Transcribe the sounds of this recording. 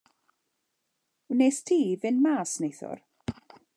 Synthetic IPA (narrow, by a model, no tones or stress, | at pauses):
nestʰiːvɪnmaːsnejθʊ̰r